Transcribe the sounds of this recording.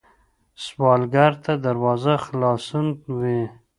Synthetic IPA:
swɑlɡaɾt̪ʰad̪aɾwɑzaxlɑsunwi

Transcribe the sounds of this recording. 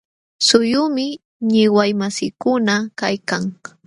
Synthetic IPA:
sʊjʊmɪ | ɲɪwajmasɪkʊnakajkaŋ

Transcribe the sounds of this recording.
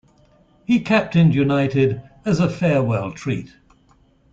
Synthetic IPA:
hikʰæp̚tɪ̃njʉnaɪtɪdəzəfɛwɛlˠtʰɹ̥ḭˑt̚

